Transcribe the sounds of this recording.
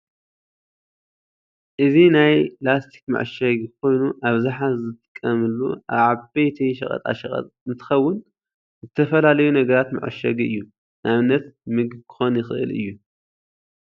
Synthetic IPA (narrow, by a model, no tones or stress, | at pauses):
ʔɨzinajplast̪ʰi̥kma̰ʕʃɐɡkʰʷo̞jnuʔaβzaħazɨt̪ʼɨkʼːɐmɨlːuʔaβʕabejt̪ʰɐjʃɐ̰kʼɐ̰t̪ʼa̰ʃɐxʼɐ̰t̪ʼɨnt̪ʰɨ̥xɐwːʊn | zɨt̪ʰɐfɐlalɐjunɐɡɐɾat̪ma̰ʕ̰ʃɐɡɨ̰jːu | nʔaβɨnːɐt̪mɨɡkʰɨ̥xo̞njɪxɨʔɨ̰lɨ̰jːu